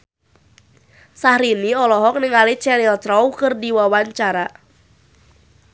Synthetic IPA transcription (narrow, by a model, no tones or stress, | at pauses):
sahɾiniɔlɔɦɔk̚nɪŋalit͡ʃɛɾilt̪ɾɔwkɨrdiwawaɲt͡ʃaɾa